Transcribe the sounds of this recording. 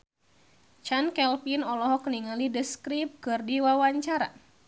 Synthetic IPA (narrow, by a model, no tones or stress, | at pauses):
t͡ʃankɛlpinɔlɔɦɔkəniŋalidəskɾip̚kɨrdiwawaɲt͡ʃaɾa̰